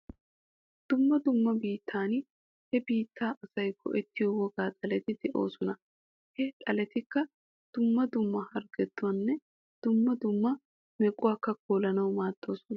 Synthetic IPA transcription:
d̪̥ʊmːɐd̪ʊmːɐbiːt̪ʰːaːn | hɛbiːt̪ʰːaːʔɐsɐjkʰːɔ̰ʔɛt̪ːɪjowɔɡaːt̪ʼɐlɛt̪ɪd̪ɛʔo̞ːsɔnɐ | hɛt̪ʼɐlɛt̪ɪkːɐ | d̪̥ʊmːɐd̪ʊmːɐhɐɾɡɛt̪ːʊwɐnːɛ | d̪̥ʊmːɐd̪ʊmːɐ | mɛkʼːʊwaːkːɐkʰoːlɐnɐwmaːt̪ːo̞ːsʊnɐ

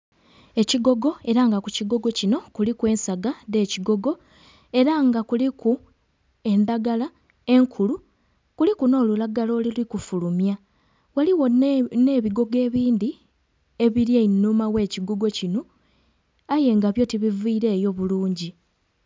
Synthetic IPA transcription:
e̞ciɡo̞ɡo̞e̞ɾaŋɡakuciɡo̞ɡo̞cino̞kulikwe̞ːnsaɡade̞ːciɡo̞ɡo̞ | e̞ɾaŋɡakuliku | e̞ndaɡala | e̞ŋkʰulu | kulikuno̞ːlulaɡalo̞ːlilikufulumja | waliwo̞ne̞ːβiɡo̞ɡe̞ːβiːndi | e̞βiɾjeinːumawe̞ːciɡoɡo̞cino̞ | aje̞ŋɡaβjo̞tiβiviːɾe̞ːjo̞βuluːɲɟi

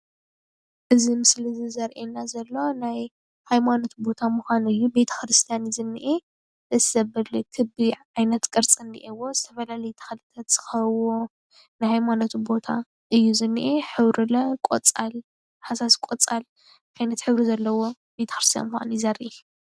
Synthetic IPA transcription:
ʔɨzimɨslizɨzɐɾʔenːazɐlːo̞naj | hajmano̞t̪bo̞t̪ʰamuxʷanɨjːube̞t̪ʰɐ̥xɾɨst̪ʰijanzɨnːiʔe | ɨzɐbɐlikʰɨbiʕajnɐt̪kʼɨɾt͡sʼɨnd̪ḭʔewo̞zɨt̪ʰɐfɐlalɐjt̪ʰɐ̥xɐlɨt̪ʰat̪z̥ɨ̥xɐwo | najhajmano̞t̪bo̞t̪ʰa | ɨjːuzɨnːiʔeħɨβɾɨlɐkʼo̰t͡sʼal | ħasaskʼot͡sʼal | ʔajnɐt̪ħɨβɾizɐlːɐwo̞ | be̞t̪ʰɐ̥xɾɨst̪ʰija̰nmuxa̰njzɐɾʔe

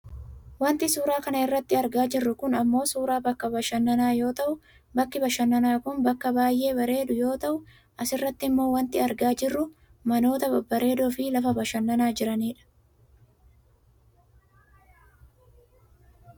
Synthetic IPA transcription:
wɐnt̪ɪsuːɾaːkɐnɐɪrːɐt̪ːɪɐɾɡaːd͡ʒɪrːʊkʊnɐmːo̞ːsuːɾaːbɐkːɐbɐʃɐnːɐnaːjo̞ːt̪ɐʔʊ | bɐkːɪbɐʃɐnːɐnaːkʊnbɐkːɐbaːjʔe̞ːbɐɾe̞ːd̪ʊjo̞ːt̪ɐʔʊ | ʔɐsɪrːɐt̪ːɪɪmːo̞ːwɐnt̪ɪɐɾɡaːd͡ʒɪrːʊ | mɐno̞ːt̪ɐɐbɐɾe̞ːd̪oːfɪlɐfɐbɐʃɐnːɐnaːd͡ʒɪɾɐniːᶑɐ̥

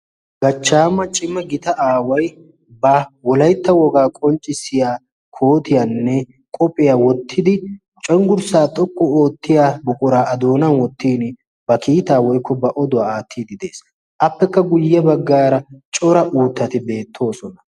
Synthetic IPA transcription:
ɡɐt͡ʃːaːmːɐt͡ʃʼɪmɐɡɪt̪ɐʔaːwɐj | bɐwɔlɐjt̪ːɐwɔɡaːkʼɔnt͡ʃʼːɪsɪjaː | kʰoːt̪ɪjanːɛ | kʼɔpʼːɪjaːwɔt̪ʰːɪd̪ɪ | t͡ʃʼɔŋɡʊɾsaːt̪ʼɔkʼːɔoːt̪ːɪjaːbɔkʼʊɾaːʔɐd̪o̞ːnɐnwɔt̪ːiːn | bɐkiːt̪aːwɔjkːɔbɐʔɔd̪ʊaːaːt̪ʰːiːd̪ɪd̪e̞ːs | ʔɐpːɛkːɐɡʊjːɛbɐɡːaːɾɐt͡ʃʼɔɾɐʔuːt̪ːɐt̪ɪbe̞ːt̪ʰːo̞ːsɔnɐ

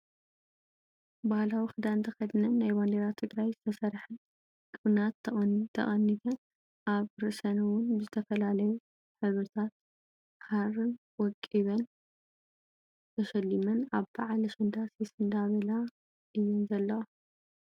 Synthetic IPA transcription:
bahlawixɨd̪aɨnt̪ʰɐxɐd̪nɐnːajband̪eɾat̪ʰːɨɡɾajzɨt̪ʰɐsɐɾħɨn | kʼɨβnat̪ʰːɐχt̪ʰɐ̰ʔʼɐnːit̪ʰɐn | ʔaβɾɨsɐnɐwʊnbɨzɨt̪ʰɐfɐlalɐju | ħɨβɾɨt̪ʰat̪̚ | harɨn | wɔkʼiβɐn | t̪ʰɐʃɐlːimɐnaβbaʕalɐʃɐnd̪asjɛsɨnd̪aβɐla | ʔɨjːɪnzɐlːɐwa

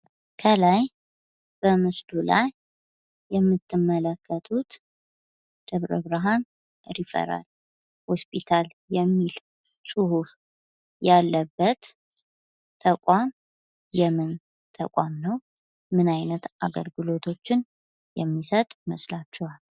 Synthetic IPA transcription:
kʰəlaj | b̥əmɨsd̪ula̰jː | ɛmːɨt̪ːɨmːələkʰːət̪ʰʼut̪ | d̪̥əβɾəβɾɨɦan | ɾifə̰ɾa̰l | hospʰʼit̪ʰal | jɛmːil | sʼɨhuf | jalːəbːət̪ | t̪ʰːəkʼam | jɛmɨn | t̪ʰə̰kʼamnəw | mɨnajnət̪a̰ɡə̰lɡɨlo̞t̪ʰo̞t͡ʃːɪn | jɛmːisət̪ʼməslat͡ʃːɛwal

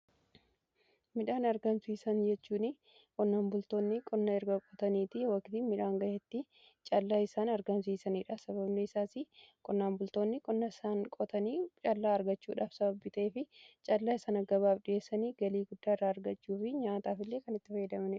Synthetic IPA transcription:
mɪᶑaːnɐɾɡɐmsiːsɐnd͡ʒɛt͡ʃːuːnɪ | kʼɔnːaːnbʊlt̪o̞ːnːɪkʼɔnːɐɛɾɡɐkʼɔt̪ɐniːt̪ɪwɐkt̪ɪmɪᶑaːŋɡɐjet̪ːɪ | t͡ʃʼɐlːaːɪsaːnɐɾɡɐmsiːsɐniːᶑɐsɐβɐbneɪsaːsɪkʼɔnːaːmbʊlt̪o̞ːnːɪkʼɔnːɐɪsaːnkʼɔt̪ɐniːt͡ʃʼɐlːaːɐɾɡɐt͡ʃːṵːᶑaːfsɐbɐbiːt̪ɐʔeːfɪt͡ʃʼɐlːaːɪsɐːnɐɡɐβaːfᶑɪjeːsːɐniːɡɐliːɡʊd̪ːaːɪrːaːɐɾɡɐt͡ʃːuːfɪɲaːt̪aːfɪlːeːkɐnɪt̪ːɪfɐjɐd̪ɐmɐnɪᶑɐ̥

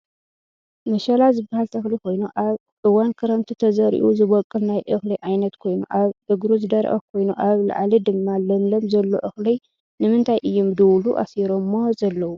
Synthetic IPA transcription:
mɐʃɐlazɨbːahalt̪ʰɨxliko̞jnuʔaβ | ʔɨwankʰɨɾɐmt̪ʰit̪ʰɐzɐɾḭʔuzɨβɔkʼːɨlnajʔɨxlɐjʔʕajnɐt̪kʰo̞jnṵʔaβʔɨɡɾuzɨd̪ɐɾ̰ʔɐ̰kʰo̞jnuʔaβla̰ʕlid̪ɨmːalɐmlɐmzɐlːo̰ʔɨxlɐj | nɨmɨnt̪ʰajʔɨjːumd̪ɨwluʔa̰siɾomːozɐlːɐwu

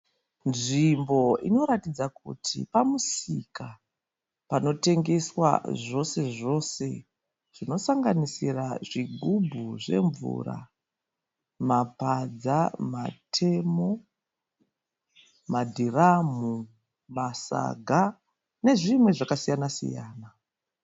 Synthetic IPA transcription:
nʐimbo̞ḭno̞ɾatid͡zakṵtʰḭpamusika | pano̞te̞ŋɡe̞swa̰ʐo̞se̞ʐo̞se̞ | ʐ̥ino̞saŋɡanisiraʐiɡʱubʱuʐe̞̰ɱvṵra̰ | mapad͡zamatʰe̞mo̞ | madʱiramu | masa̰ɡʱa | ne̞ʐimwe̞ʐakasijanasḭja̰ːna

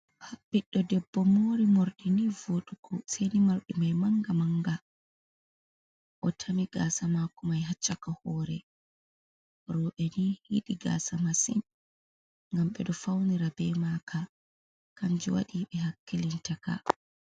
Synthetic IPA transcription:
habːiɗːɔdɛbːɔmoːɾimoɾɗinivoɗukɔsɛjnimaɾɗimajmaŋɡamaŋɡa | ʔɔtʰamiɡasamakumajɦat͡ʃːakahɔːɾɛ̰ | ɾɔɓɛnihiɗiɡa̰ːsamasin | ŋɡamɓɛ̰ɗɔfawniɾabɛmakʰa | kand͡ʒɛwa̰ɗiɓɛɦakːilintaka̰

